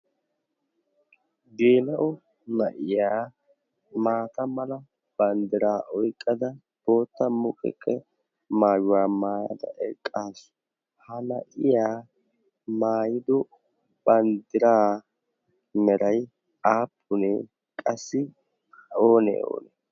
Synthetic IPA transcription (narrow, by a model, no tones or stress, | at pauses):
ɡeːnɐʔʊ | nɐʔɪjaː | maːt̪ɐmɐlɐ | b̥ɐnd̪ɪɾaːʔɔjkʼːɐd̪ɐ | b̥o̞ːt̪ːɐmʊkʼɛ̰kʼːɛ | maːjʊwaːmaːjɐ̰d̪ɐ̰ʔɛkʼːaːsʊ̥ | hɐnɐʔɪjaː | maːjɪd̪ɔ | b̥ɐnd̪ɪɾaː | mɛɾɐj | aːpʰːʊnɛ | kʼɐsːɪ | oːnɛ̰o̰ːnɛ